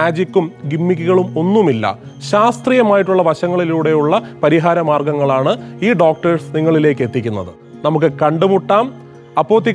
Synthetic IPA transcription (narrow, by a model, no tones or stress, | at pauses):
aːd͡ʑikʲːumɡimːik̬ʲːuɣɐɭumo̞nːumilːɐ̰ | ɕaːst̪rijɐmaːjiʈːuɭːɐʋɐɕɐŋːɐɭiluːɽe̞juɭːɐpɐɾiɦaːɾɐmaːrɡɐŋːɐɭaːɳɨiːɖo̞ːk̚ʈɐrsniŋːɐɭile̞ːkːe̞t̪ːikʲːunːɐðɨ | nɐmuk̬ːɨkɐɳɖumuʈːaːm | ɐpːoːt̪ːi